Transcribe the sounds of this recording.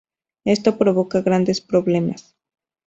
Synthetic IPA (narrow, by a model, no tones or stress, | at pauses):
e̞st̪opɾo̞βo̞kaɣɾand̪espɾo̞βle̞mas